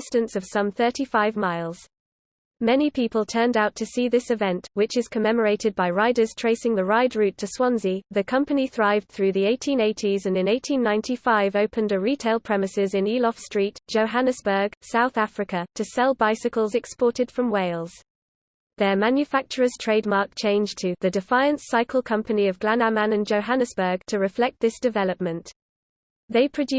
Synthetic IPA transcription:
ɪstə̃nsəv̥sʌ̃mθɜˑtʰifaɪvmaɪlˠz̥ | mɛnipʰiˑpəlˠtʰɜːndaʊtʰəsiːðɪsɪvɛ̃ntwɪt͡ʃɪz̥kʰəmɛməɹeɪtɪd̚baɪɹaɪdəz̥tʰɹ̥eɪsɪ̃ŋðəɹaɪdɹʉˑtʰəswɑ̃nziðəkʰʌ̃mpəniθɹaɪvd̥̪̚θɹʉːðieɪtʰĩneɪtʰizə̃nɪ̃neɪtʰĩnːãɪ̃ntʰifaɪvəʊpʰə̃ndəɹiˑtʰeɪlˠpʰɹ̥ɛmɪsɪzɪ̃niːlɒfstɹ̥iˑtd̥ʒ̥əʊɦanɪsb̥ə˞ɡ̥saʊθafɹɪkətʰəsɛlˠbaɪsɪkəlˠzɛkspɔˑtɪd̥fɹə̃mweɪlˠz̥ | ðəmãnjɨfak̚t͡ʃəɹəz̥tʰɹ̥eɪd̚mɑˑk̚t͡ʃʰẽɪ̃nd͡ʒtʰəðədɪfaɪə̃nsaɪkʰəlˠkʰʌ̃mpəniəvɡlanamãnə̃nd͡ʒəʊɦanɪsb̥ɜːɡ̥̚tʰəɹɪflɛk̚t̪̚ðɪsd̥ɪvɛləp̚mə̃nʔ | ðeɪpʰɹ̥əd͡ʒʉ

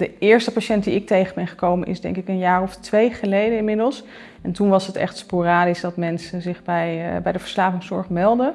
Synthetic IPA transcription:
dəɪːɹstəpaʃɛnt̚diɪk̚tejχənbɛnχəkowmənʔɪ̰zdɛ̰ŋkɪkənjaːrɔftʋejχəlejdənɪnmɪdəlˠs | ɛntunʋɑsɦətɛ̰χtsporaːdisdɑtmɛnsəzɪχbɛjbɛjdəvəɹslaːvɪŋsɔɹχmɛlˠdə

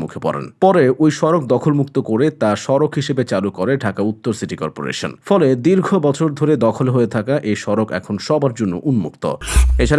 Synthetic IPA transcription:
mṵkʰepɔ̰ɾḛnpɔɾeojʃɔɾok̚d̪ɔkʰolmukt̪okoɾet̪aʃɔɾokɦiʃebet͡ɕalukoɾeɖʱakaut̪ːoɾsiʈikɔ̰ɾpo̰ɾḛʃo̰nfɔled̪iɾɡʱobɔt͡ɕʰoɾd̪ʱoɾed̪ɔkʰolɦoet̪ʰakaʔejʃɔɾokɛ̰kʰonʃɔbaɾd͡ʑonːo̰ʔunmṵkt̪o̰et͡ɕʰaɾ

